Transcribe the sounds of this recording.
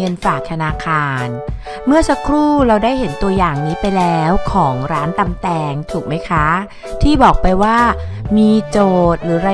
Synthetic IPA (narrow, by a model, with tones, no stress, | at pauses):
ɤ˧nfaː˨˩k̚t̪ʰa˧naː˧kʰaː˧n | mɯ˥˩ɐsa˧˥kʰɾuː˥˩ɾa˧wdaː˥˩jɦe˩˦nt̪u˧ɐjaː˨˩ŋniː˦˥pa˧jlɛː˦˥wkʰɔː˩˦ŋɾaː˦˥nt̪a˧mt̪ɛː˧ŋt̪ʰuː˨˩k̚ma˦˥jkʰa˦˥ | t̪ʰiː˥˩bɔː˨˩k̚pa˧jwaː˥˩miː˧t͡ɕoː˨˩t̪̚ɾɯː˩˦ɾa˧